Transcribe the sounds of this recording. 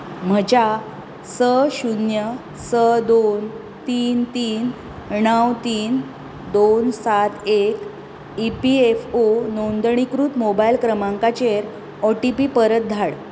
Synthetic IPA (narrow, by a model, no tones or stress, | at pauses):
m̤əd͡ʑa | səɕunjə | səd̪on | t̪iːnt̪iːn | ɳəwt̪iːn | d̪onsat̪ʰek | ipiefonond̪əɳ̃ikɾut̪mobajlkɾəmaŋkat͡ɕeɾ | ɔʈipiːpəɾət̪̚d̪ʱaɽ